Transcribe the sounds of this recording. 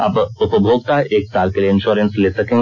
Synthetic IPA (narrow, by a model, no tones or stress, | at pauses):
a̰ːpʊpbʱoːɡ̚k̪aɛʔeːksaːɾkelieɪ̃nʃuːɾə̃nsleːsɐkẽː